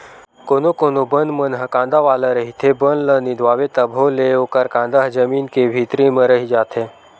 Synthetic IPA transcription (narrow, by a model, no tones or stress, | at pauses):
koːnokonobənd̪mənɦəkãnd̪aʋaːləɾəɦit̪ʰebənlənid̪ʋaːʋet̪əbʱoleoːkəɾkãːnd̪aɦd͡ʒəmiːnkebʱit̪ɾimə̃ɾəɦid͡ʒaːt̪ʰe